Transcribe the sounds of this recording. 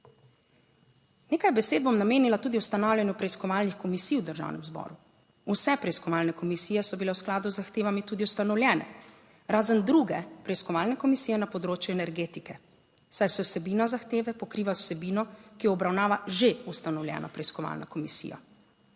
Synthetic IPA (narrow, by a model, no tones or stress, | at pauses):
neːkajbɛseːd̪̚bomnameːnilat̪uːd̪iust̪anawljanjupɾɛiskɔʋaːlnixkɔmisiːwd̪əɾʒa̰ːwnʔɛ̰mzbɔ̰ːɾu | usɛpɾɛiskɔʋaːlnɛkɔmisiːjɛsɔbilɛwsklaːd̪uzːaxt̪eːʋamit̪uːd̪iust̪anɔwlʲjɛːnɛ̰ | ɾaːzənd̪ɾuɡɛpɾɛiskɔʋaːlnɛkɔmisiːjɛnapɔd̪ɾoːt͡ʃjuɛnɛɾɡeːt̪ikɛ | sajsɛwsɛbiːnazaxt̪eːʋɛpɔkɾiːʋaw̥sɛbiːnɔkijɔɔbɾawnaːʋaʒeust̪anɔwlʲjɛ̰ːnɔpɾɛiskɔʋa̰ːlna̰kɔmisḭja̰